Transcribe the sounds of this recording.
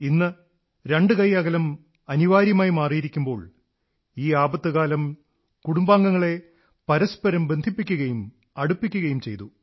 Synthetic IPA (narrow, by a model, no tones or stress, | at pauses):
inːɨ | ɾe̞ɳɖɨkɐjɐɣɐlɐm | ɐniʋaːɾjɐmaːjmaːrijiɾikʲːumbo̞ːɭ | iːaːbɐt̪ːɨɣaːlɐm | kuɽumbaːŋɡɐŋːɐɭe̞ | pɐɾɐspɐɾɐmbe̞nd̪ʱipːikʲːuɣɐjum | ɐɽupːikʲːuɣɐjumt͡ɕe̞jt̪u